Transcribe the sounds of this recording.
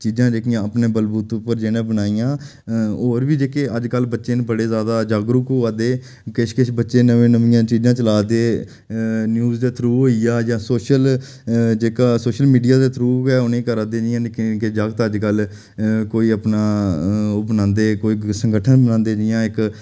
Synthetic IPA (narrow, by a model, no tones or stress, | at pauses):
t͡ʃiːzãːd͡ʒeːkɪjãːəpnẽːbəlbuːt̪pːəɾd͡ʒeːnẽːbənaːijãː | oːɾʋiːd͡ʒeːkeəd͡ʒkəlbətːʃeːnebəɽeːzaːd̪aːd͡ʒaːɡɾʊkuːaːd̪eː | kɪʃkɪʃʰbətːʃeːnəʋẽːnəʋɪjãːt͡ʃiːd͡ʒãːt͡ʃəlaːd̪eː | njuːzd̪eːt̪ʰɾuːɦoːijaːd͡ʒãːsoːʃəl | d͡ʒeːkaːsoːʃəlmiːɖijaːd̪eːt̪ʰɾuːkɛːʊnẽːkəɾad̪eːd͡ʒɪjãːlekked͡ʒaɡət̪əd͡ʒkəl | koːiːəpnaːʊbnãːnd̪eːkoːiːsə̃ŋɡəʈʰənbənãːnd̪eːd͡ʒɪjãːɪk